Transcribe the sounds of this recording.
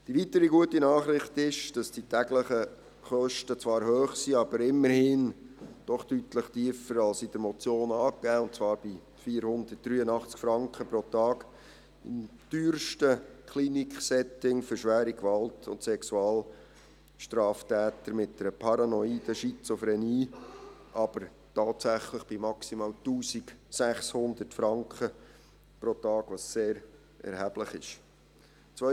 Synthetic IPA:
d̥iʋitəɾiɡuətinɑːχɾɪχtɪʃd̥ɑsd̥itæɡləχə | χœʃtət͡svɑːɾɦøːχsiɑb̥əɾɪmːəɾhɪnd̥ɔχd̥ytləχtiːəfəɾɑlsid̥əɾmɔt͡sjoːnɑːkːæːʊntt͡svɑːɾb̥i | fiːɾhʊnd̪ət̚d̥ɾyːənɑχt͡skfɾɑŋkχəpɾɔtɑːk | ɪmd̪̥yːɾʃtəkʰlinikχsɛtɪŋfʏɾʃʋæːɾikʋɑltʰʊ̰ntsɛksuɑːl | ʃtɾɑːftæːt̪əɾmɪt̚dɛɾəpʰɑɾɑnɔiːd̥əʃit͡sofɾɛniːʔɑb̥əɾ | tɑːtsæχləχb̥ɪmɑksimɑːltuːsiksæχshʊnd̪ərtfɾɑŋkχə | protɑːɡ̥ʋɑsːeːɾ | ʔɛ̰ɾhæb̥ləχɪʃ | t͡sʋœ

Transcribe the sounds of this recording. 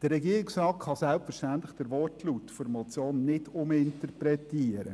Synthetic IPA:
d̥ərɛɡiəɾɪksɾɑːtχɑsælpfəɾʃtænt̪ləχd̥əɾʋɔrtlut̪ːfoɾmɔt͡sjoːnːɪdʊmɪnt̪ərpɾɛtiəɾə̰

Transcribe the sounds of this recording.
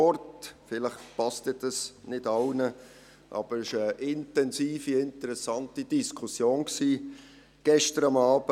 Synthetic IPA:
ɔtfɪləχpɑst̪əd̥ɑsnɪdɑʊnə | ʔɑ̰b̥əɾɪʃəʔɪntɛnsiːfiɪntəɾɛsɑntid̥iskʰusjoːnksiː | ɡ̥ɛʃtəɾɑmɑːb̥ə

